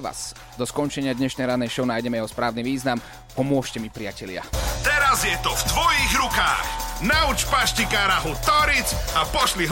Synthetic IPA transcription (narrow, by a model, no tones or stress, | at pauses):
ʋa̰z̥ | d̪ɔskɔnt͡ʃɛɲɪad̪ɲɛʃnɛjɾanɛʃɔʊnaːjɟɛmɛjɛɦɔspɾaːʊniːʋiːznam | pɔmʊɔʃcɛmipɾiɪacɛlɪa̰t̪ɛɾazjɛt̪ɔvt̪ʋɔjiːɣɾuka̰ːxnaut͡ʃpaʃcikaːɾaɦut̪ɔɾit͡sapɔʃliɦ